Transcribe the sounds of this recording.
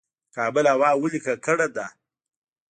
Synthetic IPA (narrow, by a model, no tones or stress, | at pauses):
kɑːbəlawɑːwəlikakəɽed̪a